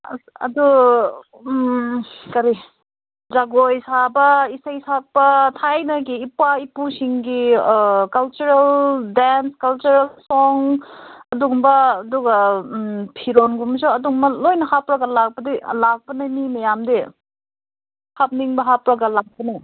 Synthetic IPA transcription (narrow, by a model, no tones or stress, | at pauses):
ɐ̰du | kɐɾi | d͡ʒaɡojsabɐisɐjsak̚pɐtʰajnɐɡiːpːaipusiŋɡikɐlt͡ʃuɾeldanskɐlt͡ʃuɾalsɔŋɐduŋbɐːduɡɐ | pʰiɾonɡumsoɐduŋmɐlojnɐhapɾɐɡɐlak̚pɐdilak̚pɐnɐmimɐjamde | hap̚niŋbɐɦapɾɐɡɐlak̚pɐna